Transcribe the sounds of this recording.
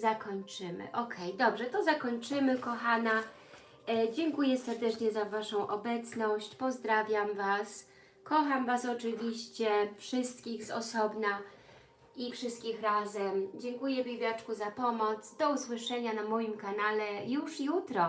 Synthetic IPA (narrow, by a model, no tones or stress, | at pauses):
zakɔɲt͡ʂɘmɘ̰ʔɔkʰɛjd̪ɔbʐɛt̪ɔzakɔɲt͡ʂɘmɘkɔxana | d͡ʑɛŋkujɛsɛɾd̪ɛt͡ʂɲɛzavaʂɔ̃w̃ʔɔbɛt̪snɔɕt͡ɕpɔzd̪ɾavʲjamvas | kɔxamvasɔt͡ʂɘvʲiɕt͡ɕɛfʂɘst̪̚kʲiɣzɔ̰sɔbna | ʔifʂɘst̪̚kʲixɾazɛmd͡ʑɛŋkujɛbʲibʲjat͡ʂkuzapɔmɔt̪sd̪ɔuswɘʂɛɲanamɔjimkanalɛjuʂjut̪ɾɔ